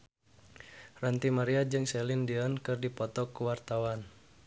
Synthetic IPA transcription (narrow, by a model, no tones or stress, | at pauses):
rant̪imaɾiad͡ʒɨŋsɛlindiɔnkɨrdipɔt̪ɔkuwart̪awan